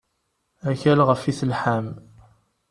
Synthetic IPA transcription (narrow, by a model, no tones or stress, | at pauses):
æçælʁəfiθəlħam